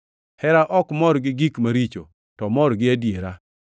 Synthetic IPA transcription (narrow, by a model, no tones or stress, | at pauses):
hɛɾaʔɔkmɔɾɡɪɡikmaɾit͡ʃo | tɔmɔɾɡɪadjeɾa